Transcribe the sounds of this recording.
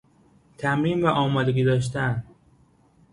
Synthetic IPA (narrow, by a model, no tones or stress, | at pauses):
t̪ʰæmɾiːmvæʔɒːmɒːd̪eɡiːd̪ɒːʃ̬t̪æn